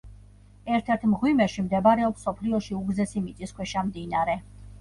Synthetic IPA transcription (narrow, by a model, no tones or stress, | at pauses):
ɛɾt̪ʰɛɾt̪ʰmʁwimɛʃimd̪ɛbaɾɛɔpsɔpʰliɔʃiuɡzɛsimit̪sʼiskwɛʃamd̪inaɾɛ